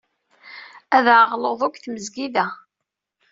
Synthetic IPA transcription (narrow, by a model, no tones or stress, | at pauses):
æðʕʁloðˤʊkʷθməzɡiðæ